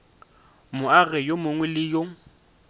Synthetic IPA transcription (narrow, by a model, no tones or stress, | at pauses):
mʊaɣɛjomʊŋwɛlɪjo